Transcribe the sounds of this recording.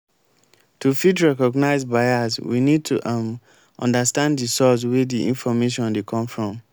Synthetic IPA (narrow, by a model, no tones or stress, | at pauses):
tufitɹɛkɔɡnaɪzbaaswḭnid̚tʰṵʔ | ɔ̰̃ndastãnddisɔswediʔḭ̃nfɔmeʃɔ̃ndekʰɔ̃mfɹɔ̃m